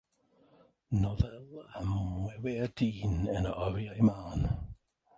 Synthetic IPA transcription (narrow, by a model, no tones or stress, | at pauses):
nɔðɛlˠamwɛwɛdiːnənəʔɔɾjajmawn